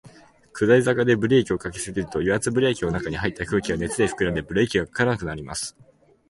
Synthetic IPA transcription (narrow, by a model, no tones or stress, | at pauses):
kɯ̟d̪aizakad̪e̞bɯ̟ɾe̞ːkʲio̞kakesɨɡʲiɾɯ̟t̪o̞jʲoat͡sɨbɯ̟ɾe̞ːkʲino̞nakaɲ̟ihait̪ːakɯ̟ːkʲiɡane̞t͡sɨd̪e̞ɸɯ̟̥kɯ̟ɾad̪e̞bɯ̟ɾe̞ːkʲiɡakḁkaɾanakɯ̟naɾʲima̰sɨ̥